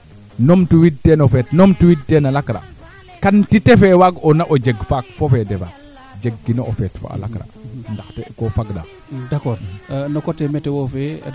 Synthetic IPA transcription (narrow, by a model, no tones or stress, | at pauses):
nomtuwid̚tenofetnomtuwid̚tenalakɾa̰ | kantitefewaɡonaʔod͡ʒeɡfak̚fofedefa̰ | d͡ʒeɡːinoo̰fɛtfo̰a̰la̰kɾa̰ndaxtekofaɡɗa̰ | dakoɾnokotemetewofe